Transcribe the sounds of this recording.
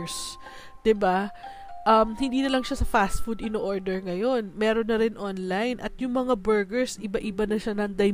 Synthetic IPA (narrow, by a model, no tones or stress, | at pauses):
s | d̪̥ɪba | ʔɐmhɪnd̪iːnɐlɐŋʃasɐfast̪̚fud̪ɪnoʔoɹd̪ɛɹŋɐjo̞nmɛːɾo̞nːɐɾɪnʔonlajnʔɐt̪̚jʊŋmɐŋabɛɹɡɛɹsɪbaʔɪbanɐʃanɐŋd̪ɐj